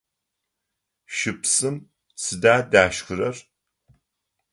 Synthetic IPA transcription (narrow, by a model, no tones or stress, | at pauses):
ʃɨpʰsʼɨm | t͡sʰɨdaːdaːʃkʰɨɾɐr